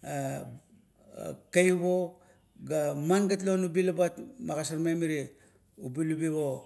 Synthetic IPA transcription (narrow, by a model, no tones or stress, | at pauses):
a | kajuβo | ɡamanɡat̬lonubilabatmaɡasaɾmamiɾi | ubilubiβo